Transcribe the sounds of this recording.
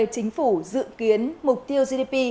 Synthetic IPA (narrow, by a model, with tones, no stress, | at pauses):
e˧˩t͡ɕï˨˦ŋ̟fu˧˩zɨ̰˧˨ki˨˦ənmʊ˨˩k͡p̚t̪i˧əwzi˧ɗi˧pi˧